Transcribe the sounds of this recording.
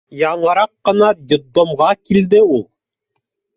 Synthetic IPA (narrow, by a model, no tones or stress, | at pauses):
jɑɴɤ̆ɾɑqːɤ̆nɑd̪ʲɪd̪omʁɑkild̪ɘulˠ